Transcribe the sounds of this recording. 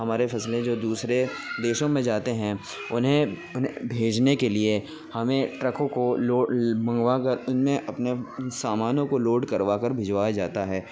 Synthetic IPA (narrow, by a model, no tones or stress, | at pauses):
ɦɐmaːɾefʰɐslẽd͡ʒoːd̪uːsɾed̪eːʃõmẽd͡ʒaːt̪eɦɛ̃ | ʊnɦẽ | ʊnɦebʱeːd͡ʒnekelie | hɐmẽʈɾəkõkoloːmɐ̃ŋɡʋakɐɾʊnmẽʔɐpnesaːmaːnõkoloːɖkɐɾʋakɐɾbʱɪd͡ʒʋaːjad͡ʒaːt̪aɦɛː